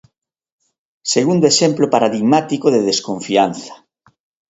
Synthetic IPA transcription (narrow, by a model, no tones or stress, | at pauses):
seɣund̪oeʃemplopaɾaðiɣmat̪ikoðeðeskõɱfianθḁ